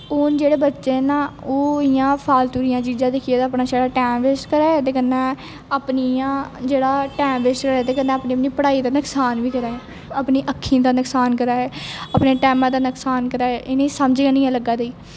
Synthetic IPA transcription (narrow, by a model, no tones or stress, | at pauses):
ʊnd͡ʒeːɽeːbətːʃeːnãːoːɪjãːpʰaːlt̪uːɾijãːt͡ʃiːd͡ʒãːd̪ɪkʰeːd̪aːpnaːʃaːɽaːʈɛːmʋesʈkəɾaːɛt̪eːkənːẽː | əpniãːd͡ʒeːɽaːʈɛːmʋesʈkəɾaːɛt̪eːkənːɛ̃ːəpniːəpniːpəɽaːiːd̪aːnəksaːnʋiːkəɾaːɦɛː | əpniːʔəkʰːĩd̪aːnəksaːnkəɾaːɦɛːəpneːʈɛːmãːd̪aːnəksaːnkəɾaːɦɛːʔɪnẽisəmd͡ʒːãːnĩːãləɡaːd̪eiː